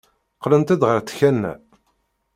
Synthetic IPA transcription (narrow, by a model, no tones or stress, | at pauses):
qlənt̪æd̪ʁəɾt̪ːçænːæ̰